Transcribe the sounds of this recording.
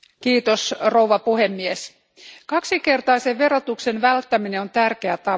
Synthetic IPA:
kiːt̪osrouʋɑpuhemːies | kɑksikert̪ɑiseʋʋeɾrot̪uksenʋælt̪ːæmineont̪ærkeæt̪ɑ

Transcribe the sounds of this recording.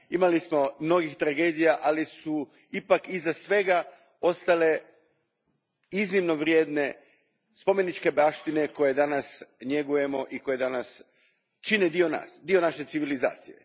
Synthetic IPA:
imalismo̞mno̞ɡixt̪ɾaɡe̞ːd̪ijaʔalisu | ipakizasʋe̞ɡa | o̞st̪ale̞ | iznimno̞ʋɾjeːd̪ne̞ | spo̞me̞nit͡ʃke̞baʃt̪ine̞ko̞je̞d̪anasɲje̞ɡuje̞mo̞ʔiko̞je̞d̪anas | t͡ʃined̪io̞na̰ːsd̪io̞naʃe̞tsiʋiliza̰ːt̪sḭje̞̰

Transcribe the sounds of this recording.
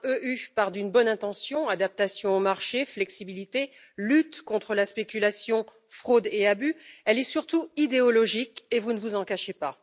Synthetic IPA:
øʔypaʁd̪ynbɔnɛ̃t̪ɑ̃sjɔ̃ad̪ap̚t̪asjɔ̃omaʁʃeflɛksibilit̪e | lyt̪kɔ̃t̪χəlaspekʲylasjɔ̃ | fχod̪eabyɛlɛsyʁt̪uid̪eɔlɔʒikevunəvuzɑ̃kaʃepa

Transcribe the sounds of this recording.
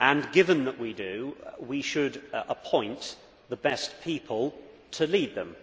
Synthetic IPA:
ʔə̃nɡɪvə̃nðəʔwidɨwiʃədəpʰɔ̃ɪ̃nʔ | ðəbɛspʰiˑpʰəlˠ | tʰəliːd̪̚ðə̰̃m

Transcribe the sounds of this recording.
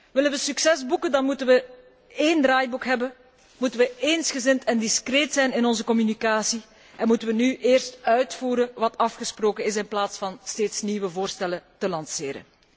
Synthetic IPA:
ʋɪlənʋəsyksɛzbukəndɑnmutənʋə | eːndɾaːjbukɦɛbən | mutənʋəeːnsxəzɪntɛndiskreːtsɛjnɪnɔnzəkɔmynikaːsi | ʔɛnmutənʋənyʔeːrstœɥtfuːɾənʋɑtɑfxəsproːkənɪs̬ɪnplaːtsfɑnsteːtsniʋəvoːrstɛlətəlɑnsɪːɾə̰n

